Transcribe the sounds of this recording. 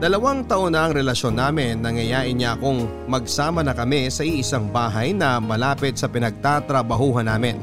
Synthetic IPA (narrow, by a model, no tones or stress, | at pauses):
d̪ɐlɐwɐŋt̪ɐʔonɐʔɐŋɾɛlɐʃo̞nːaːmɪnːɐŋɐjaːʔɪɲaʔɐko̞ŋ | mɐɡsaːmɐnɐkɐmɪsɐʔiʔɪsaŋbaːɦɐjnɐmɐlaːpɪt̪̚sɐpɪnɐɡ̚t̪at̪ɾɐbɐɦuːɦɐnaːmɪn